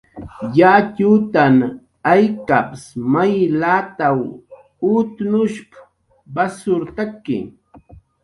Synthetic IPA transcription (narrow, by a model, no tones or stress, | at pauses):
jat͡ʃut̪an | ajkapsmajlat̪aw | ʊt̪nʊʃp | basʊɾt̪akːɪ̰